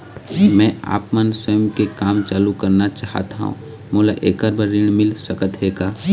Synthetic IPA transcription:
mɛ̃a̰ːpmənsəjmkekaːmt͡ʃaːlukəɾnat͡ʃaːɦə̰t̪aɦṵ̃ | mʊːlaʔeːkəɾbəɾɪɳ̃mɪlsəkət̪ɦeːɡaː

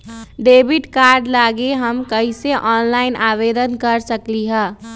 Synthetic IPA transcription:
ɖebʱiʈkaɾɖlaɡeɦəmkəɦiseʔɔːnlaɪnʔaβed̪ənkəɾsəkliɦəː

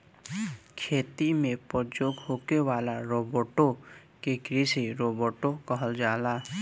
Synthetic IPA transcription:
kʰeːt̪imẽpəɾd͡ʒoːɡɦoːkewaːlaɾoːboʈo | kekɾisiɾoːbəʈokəɦəld͡ʒaːlaː

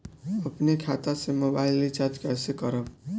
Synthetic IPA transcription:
əpnekʰat̪asemobaɪlit͡ʃad͡ʒ̪kɛsekəɾəb

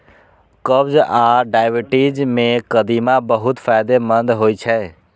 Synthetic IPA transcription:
kəbd͡ʒaɖaɪbiʈid͡ʒmẽkəd̪imãbəɦut̪pʰaɪd̪emənd̪ɦoit͡ʃʰɛ

